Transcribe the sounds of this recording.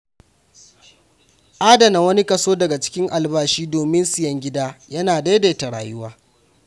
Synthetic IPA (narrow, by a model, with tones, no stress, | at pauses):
ʔaː˦dɐ˨na˨wɐ˦ni˦kɐ˦soː˦dɐ˨ɡa˨t͡ʃɪ̥˦kʲɪ˦ŋʔa˨lbaː˦ʃiː˦doː˨mɪ˦nsɪ˨jɐ˦ŋɡʲɪ˦daː˦jɐ˦naː˨da˦de˨ta˨ɽa̰ː˨jʊ˦waː˦